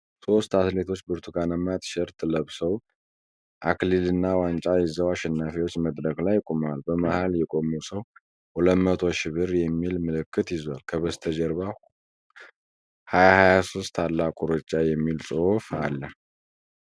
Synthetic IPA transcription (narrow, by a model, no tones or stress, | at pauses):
sʼo̞st̪at̪le̞t̪ʰo̞t͡ʃːbɨɾt̪ʰuɡanəmːajt̪ɨ̥ʃɛɾt̪ʰʼɨləβsəw | ʔaklilɨnːawant͡ʃʼajɪzəwaʃɛnːafewo̞t͡ʃːməd̪ɾəɡlajːɪkʼomalbəmahaljɛkʼo̞mːusəw | huləmət̪ʰo̞ʃɪβɨɾjɛmːilmɨlɨkːɨt̪jɪzwalkʰəβəst̪ʰəd͡ʒɛɾβa | hajahajasost̪ʰalːakʼuɾot͡ʃːajɛmːilsʼɨfalːə